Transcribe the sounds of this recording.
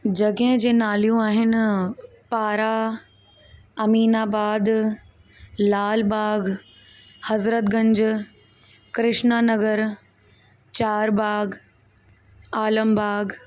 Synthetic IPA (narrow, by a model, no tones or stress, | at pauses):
d͡ʑɐɡəɦɪ̃d͡ʑẽːnaːljũaːɦɪn̆ | paːɾa | ɐmiːnaːbaːd̪ | laːlbaːɡ | hɐzɾət̪ɡɐ̃ɲd͡ʑ | kɾɪʃnanɐɡəɾ | t͡ɕaːɾbaːɡ | aːləmbaːɡ